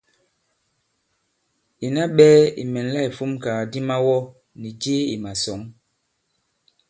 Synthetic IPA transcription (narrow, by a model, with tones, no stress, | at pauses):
i˨na˦ɓɛː˦ḭ˨mɛ˨n˦la˦˨i˨fu˦mkaː˨di˦ma˦wɔ˦ | ni˨d͡ʒeː˦i˨ma˨sɔ˨˦ŋ